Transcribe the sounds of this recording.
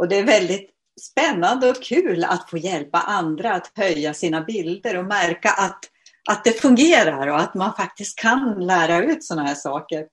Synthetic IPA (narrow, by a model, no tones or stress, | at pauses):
ʔɔd̪ɛæɾvɛld̪ɪt̪ | spɛnːand̪əɔkʰʉ̟ːla̰t̪foːjɛlpa̰ʔand̪ɾaːt̪hœjːasiːnabɪld̪əɾɔmæɾkaʔat̪ | ʔat̪̚d̪ɛfɵŋɡeːɾaɾɔat̪manfak̚t̪ɪst̪̚kʰːanlæːɾaʉ̟ːt̪sɔnːahæːʂɑːkəɾ